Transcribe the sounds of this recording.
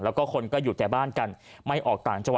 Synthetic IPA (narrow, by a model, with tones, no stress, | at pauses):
lɛː˦˥wkɔː˥˩kʰo˧nkɔː˥˩juː˨˩t̪ɛː˨˩baː˥˩nka˧n | ma˥˩jʔɔː˨˩k̚t̪aː˨˩ŋt͡ɕa˧wa˨